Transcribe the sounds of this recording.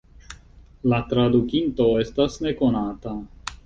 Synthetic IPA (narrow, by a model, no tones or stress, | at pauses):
lat̪ɾad̪ukint̪o̞est̪asne̞ko̞nat̪a